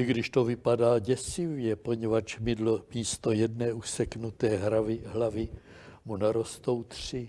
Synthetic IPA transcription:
ɪɡdɪʃt̪o̞vɪpadaːɟɛsɪvjɛpo̞ɲɛvat͡ʃmɪdlomiːst̪o̞jɛdnɛːʔusɛknut̪ɛːɦɾavɪɦlavɪ | munaɾo̞st̪o̞wt̪r̥ɪ

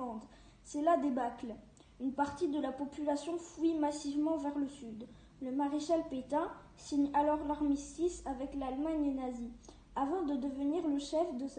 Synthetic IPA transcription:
ɑ̃d̪ | sɛlad̪ebakl | ynpaʁt̪id̪əlapɔpylasjɔ̃fuimasivmɑ̃vɛʁləsyd̪ | ləmaʁeʃalpet̪ɛ̃ | siɲalɔʁlaʁmist̪isavɛklalmaɲenazi | avɑ̃d̪əd̪əvəniʁləʃɛfd̪əs

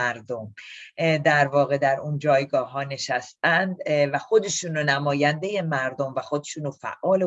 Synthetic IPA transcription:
æɾd̪om | d̪æɾvɒːɣe̞d̪æɾund͡ʒɒːjɡɒːɦɒːne̞ʃæst̪ænd̪væxo̞d̪e̞ʃuːnonæmɒːjænd̪e̞je̞mæɾd̪o̞mvæxo̞d̪eʃuːnofæ̰ʔːɒːle

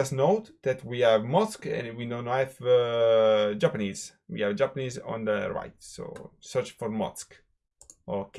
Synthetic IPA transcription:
asnowt̪d̪ɛt̪wiɛvmɔskɛ̰̃nwinonɛv | d͡ʒapaniz | wḭɛvd͡ʒapənizɔ̰̃nd̪əɹa̰jtso̰sɛɾt͡ʃfɔɾmɔ̰sk | ʔok

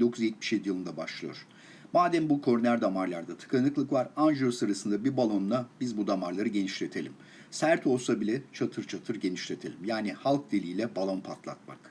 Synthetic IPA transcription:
d̪o̞kʰuzjɛt̪̚mi̥ʃjed̪ijɯlˠɯnd̪abaʃlˠɯjo̞̰ɾ̥ | baːd̪æmbukʰo̞ɾnæɾd̪amaɾlˠaɾd̪at̪ʰɯ̥kʰanɯklˠɯkvaɾand͡ʒuɾsɯɾasɯnd̪abiɾbalˠo̞nnabizbud̪amaɾlˠaɾɯɟe̞niʃlʲe̞t̪ʰe̞lʲim | sæɾt̪ʰo̞lˠsabilʲɛt͡ʃʰat̪ʰɯɾt͡ʃʰat̪ʰɯɾɟe̞niʃlʲe̞t̪ʰe̞lʲimjaːnihalˠk̚d̪elʲiːlʲɛbalˠanpʰat̪ʰlˠa̰t̪̚ma̰k

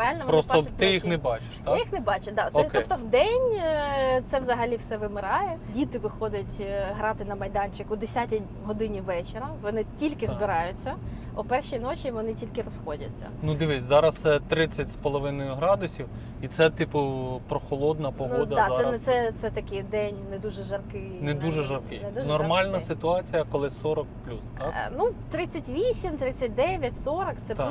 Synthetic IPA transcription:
ɪalʲnɐʋpɾɔstɔt̪ɪjixnɛbɑt͡ʃɪ̥ʃt̪ɑjixnɛbɑt͡ʃɪd̪ɑt̪tkɔbt̪ɔwd̪ɛnʲ | t̪sɛʋzɐɦɐlʲiwsɛʋɪmɪɾɑjɛdʲit̪ɪʋɪxɔd̪ʲɐtʲɦɾɑt̪ɪnɐmɐjd̪ɑnʲt͡ʃɪkʊd̪esʲatʲi | ɦɔd̪ɪnʲiʋɛt͡ʃɪɾɐʋɔnɪtʲilʲkɪzbɪɾɑjʊt͡sʲːɐ | ɔpɛrʃijnot͡ʃʲiʋɔnɪtʲilʲkɪrɔsxɔdʲɐ̰t͡sʲːɐ̰nud̪ɪʋɪsʲzɑɾɐst̪sɛt̪ɾɪt͡sʲːɐtʲspɔlˠɔʋɪnɔjʊɦɾɑd̪ʊsʲiw | it̪sɛt̪ɪpʊpɾɔxɔlˠɔd̪nɐpɔɦnd̪ɐɑɛnɛsɛt̪sɛt̪ɐkɪjd̪ɛnʲnɛd̪uʒɛʒɐrkɪ | nɛd̪uʒɛʒɐrkɪjnɛd̪uʒnɔrmɑlʲnɐsɪt̪ʊɑt͡sʲijɐkɔlˠɪsɔɾɔkplʲust̪nut̪ɾɪt͡sʲɐtʲʋʲisʲimt̪ɾɪt͡sʲːɐt̚ʲd̪ɛʋʲjɐtʲsɔɾɔkt̪sɛt̪

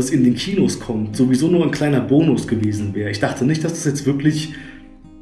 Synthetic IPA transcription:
sɪndeːnkʰiːnoskʰɔmtz̥ovizoːnuːɐaɪnkl̥aɪnɐboːnʊsɡ̥əveːzn̩vɛːʁəɪçd̥aχtʰənɪçtd̥asd̥ḁsjɛt͡stv̥ɪɐklɪç

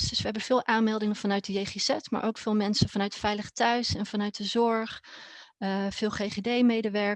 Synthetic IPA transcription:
sd̥ɵsʋəɦɛbənv̥ɪːlˠʔaːnmɛlˠdɪŋənvɑnœɥt̚dəjejχesɛtma̰ɹʔowkfɪːlˠmɛnsənvɑnœɥtəfɛjləχətœɥsɛnvɑnœɥt̚dəzɔɹχ | v̥ɪːlˠχejχedejmejdəʋɛɹ

